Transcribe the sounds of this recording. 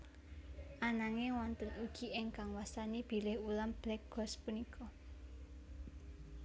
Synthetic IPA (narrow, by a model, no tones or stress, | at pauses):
ʔanaŋewɔnt̪ənuɡ̥i̤ɪŋkaŋwasanib̥i̤lɪhulamb̥lɛk̚ɡ̥ɔ̤spunikʰɔ